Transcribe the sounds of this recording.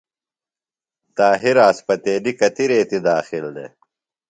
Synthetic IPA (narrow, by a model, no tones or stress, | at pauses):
t̪aːɦiɾaːspɐt̪eːlikɐt̪iɾeːt̪id̪aːxild̪ḛ